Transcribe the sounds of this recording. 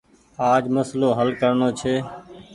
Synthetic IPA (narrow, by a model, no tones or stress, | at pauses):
aːd͡ʒməsloːɦəlkəɾɳoːt͡ʃʰeː